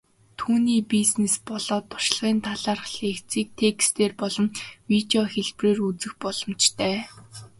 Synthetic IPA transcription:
t̪ʰuːniːpisnespɔɮ̥ɔːt̪ʰːʊ̥ʃɪ̆ɮʁiːnt̪ʰaɮaːrχɮeːxt͡siːk̚t̪ʰekst̪eːrpɔɮɞ̆mwit̪eɔxeɮpreːrut͡sɘ̆xpɔɮɞ̆mt͡ɕt̪ʰæː

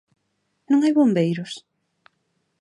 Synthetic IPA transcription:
nõŋajβombejɾʊs

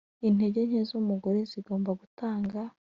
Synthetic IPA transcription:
in̥e̞ɟe̞ɲ̥ezomuɡoɾeziɡo̞ːmbaɡutaːŋɡa

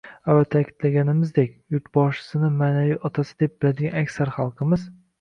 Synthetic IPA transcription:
avat̪ʰakʲʰɪ̥d̪laɡʲanɪmɪzd̪ekʲjʊɾt̪bɒʃɪ̥sɪnɪmaːnaviʔɒt̪ʰasɪd̪e̞p̚bɪlad̪ɪɡʲanakʲsaɾχɑlˠqʰɨmɪz

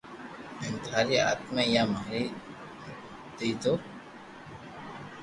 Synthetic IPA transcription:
ɪ̃nt̪aːɾia̰ːt̪mẽjaːmaɦɾi | d̪̥iːd̪oː

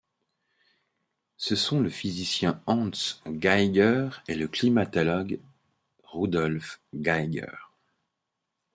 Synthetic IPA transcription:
səsɔ̃ləfizisjɛ̃ɑ̃sɡajɡœʁeləklimat̪ɔlɔɡ | ʁud̪ɔlfɡajɡœ̰ʁ

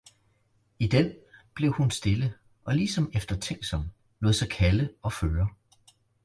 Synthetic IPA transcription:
id̥enb̥le̝ʊhunsd̥e̝lə | ʔɒ̽lisɒ̽mefd̥ɐt͡sʰeŋ̰̥sɒ̽m̥ | loðˠsɑɪkʰæləɒ̽føːɐ

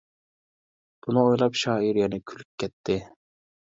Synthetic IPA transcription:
b̥unɨojlˠɑpʃɑːiɾjɛnɪkʲʰylyp̚kʲʰːɛt̪ʰːɪ

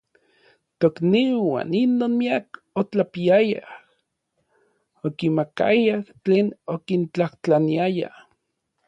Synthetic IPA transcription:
t̪okniwa̰ːninːoːnmiak | ot͡ɬapiaja̰h | okimaka̰jaht͡ɬeːnokint͡ɬaht͡ɬaniaja̰h

